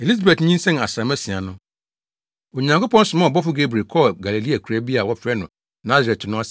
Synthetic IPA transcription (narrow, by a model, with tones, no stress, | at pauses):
e˨li˦za˨be˨tɲĩ˦n˦sɛ̃˦n˨a˨sɾa˨mɛ˦sĩ˨a˨nʊ̃˦ | o˨ɲã˨ŋko˦pɔ̃˦n̩˦sɪ˨mã˦˨ɔ˨bɔ˦fʊ˦ɡe˦bɾi˨kʰɔ˦ɡa˨le˨li˦a˨kʰu˨ɾæ˦bi˦a˨wɔ˦fɾɛ˦nʊ̃˨ | nã˦ze˨tnʊ̃˦a˦sɛ˨